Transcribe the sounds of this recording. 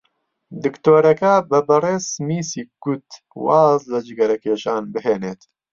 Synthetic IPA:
d̪ɨkt̪oːɾɐkɐbɐbɐreːsmiːsiːɡ̥ut̪ | wɑːzlɐd͡ʒɨɡɐɾɐkʰeːʃaːnbɨɦeːneːt̪

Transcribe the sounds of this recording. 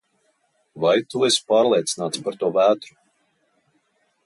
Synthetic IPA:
vajt̪uɛspaːɾlˠʲiɛt̪sinaːt̪spaɾt̪uɔvæːt̪ɾu

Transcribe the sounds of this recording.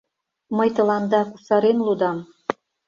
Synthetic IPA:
məjt̪ɤ̆lɑnd̪ɑkusɑɾenlud̪ɑm

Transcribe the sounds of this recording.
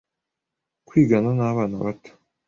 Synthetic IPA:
kʷʰiːɡananaːβanaβat̪

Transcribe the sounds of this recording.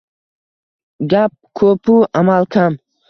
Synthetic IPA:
ɡap̚kʰɵpʰuʔamalˠkʰam

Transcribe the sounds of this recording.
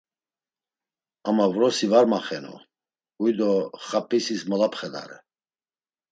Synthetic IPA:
amavɾɔsivaɾmaχɛnɔ̰ | ɡujd̪ɔχapʰʼisismɔlapʰχɛd̪a̰ɾɛ

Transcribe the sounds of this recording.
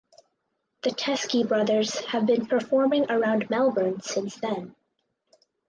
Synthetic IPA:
ðɨtʰɛskibɹʌðə˞z̥hɨvbɨ̃npʰə˞fɔɹmɪ̃ŋə˞ãʊ̃nmɛlˠbə˞nsɪ̃nsðɨ̃n

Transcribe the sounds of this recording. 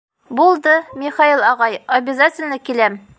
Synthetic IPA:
bulˠd̪ɤmʲiχailˠɒʁɑjɐbʲɪzatʲɪlʲnɤkilæm

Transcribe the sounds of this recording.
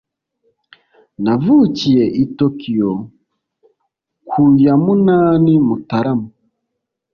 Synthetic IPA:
navucijeʔitokʰijo | kʰujamunaːnimutaɾamu

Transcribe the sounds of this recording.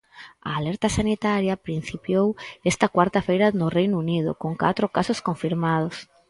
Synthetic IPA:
ɐ̰ːlɛɾt̪ɐsanit̪aɾjɐpɾin̟θipjowɛst̪ɐkwaɾt̪afejɾɐnʊrejnunið̞ʊ̰koŋka̰t̪ɾʊkasʊskoɱfiɾmað̞ʊs

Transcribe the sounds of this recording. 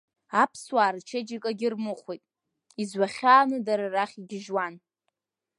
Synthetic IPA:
apʰswaːrt͡ʃʰed͡ʒikʼaɡʲɪrmɨχʷijtʼ | izwaχʲaːnɨdaɾaraχʲiɡʲɪʒwan

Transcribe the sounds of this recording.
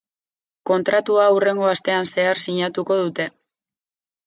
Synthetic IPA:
ko̞nt̪ɾat̪uaure̞ŋɡo̞ast̪e̞anse̞aɾsiɲat̪uko̞ð̞ut̪e̞

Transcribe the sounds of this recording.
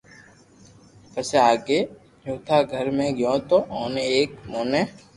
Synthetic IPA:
pəseaːɡeː | d͡ʒuːt̪ʰaːɡʱəɾmẽːɡjõːt̪oʔoːneeːkmoːneː

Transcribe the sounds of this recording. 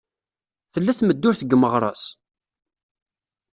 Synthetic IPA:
θəlːæθməd̪ːʊɾθəɡməʁɾˤɑ̰s

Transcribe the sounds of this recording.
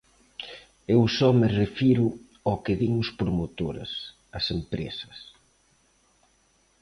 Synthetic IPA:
ewsɔmɪrefiɾʊ | ɔkɪðiŋʊspɾomot̪oɾɐ̰s | ɐsempɾḛsɐ̥s

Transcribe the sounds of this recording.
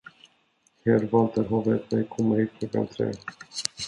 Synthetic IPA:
heːɾvɑːlt̪əɾɦɑːvɛt̪mɛjkʰɔmːahiːt̪̚kʰlɔkːa̰nt̪ʰɾḛː

